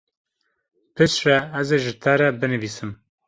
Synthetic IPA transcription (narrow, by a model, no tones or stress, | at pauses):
pʰɨʃrɛæzeːʒɪt̪ʰɛɾɛbɨnɨviːsɨm